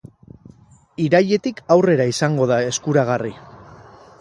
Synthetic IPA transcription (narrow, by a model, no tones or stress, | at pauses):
iɾaje̞t̪ikawre̞ɾaisaŋɡo̞ðae̞skuɾaɣ̞ari